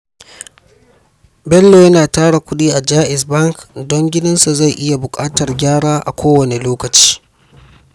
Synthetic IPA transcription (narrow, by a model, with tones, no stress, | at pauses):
bɛ˦lːoː˨jɐ˦naː˨taː˦ɽa˨kʷʊ˦ɗiː˦ʔa˨d͡ʒaː˦ʔɪ˨sbɐ˦ŋkdɔ˦ŋɡʲɪ˦nɪ˦nsa˨za˦˨jʔɪ˦ja˨bʊ˨kʼaː˦tɐ˨rɡʲaː˦ɽaː˦ʔa̰˨kʷʰoː˦wɐ˨ne˨loː˦kɐ˨t͡ʃi̥ː˦